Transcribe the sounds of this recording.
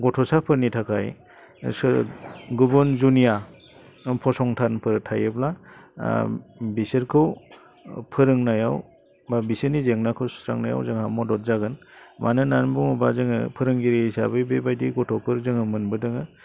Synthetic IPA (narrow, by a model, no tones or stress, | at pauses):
ɡɔtʰɔsapʰɯɾnitʰakʰaj | s | ɡubunzunija | pʰɔsɔŋtʰanpʰɯɾɯtʰajɯbla | bisɯɾkʰɯw | pʰɯɾɯŋnajaw | babisɯɾnizeŋnakʰɯwstɾa̰ŋnaja̰wzɯŋhamɔdɔt̚zaɡɯnmʔa̰nɯnanbuŋubazɯŋɯ̰pʰɯɾɯŋɡiɾiisabɯjbebajdiɡɔtʰɔpʰɯɾzɯŋɯmɯnbɯdɯŋɯ